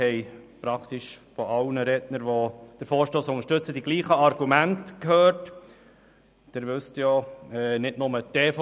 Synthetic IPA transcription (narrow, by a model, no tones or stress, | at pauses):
ɛjpɾɑkʰt̪iʃfɔʔɑwnəɾɛdnəɾʋod̥əɾfoːɾʃtoːsʊŋəʃtɵt͡səd̥iɡ̥liːχəɑɾɡumæntkhøːɾt | d̥ɪɾʋʏstjɔɛːnɪtnʊmət̪eːf